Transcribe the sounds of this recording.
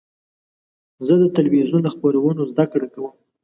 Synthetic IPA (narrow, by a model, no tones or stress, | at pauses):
zəd̪ət̪alwizunləxpoɾewənozd̪akɽekawəm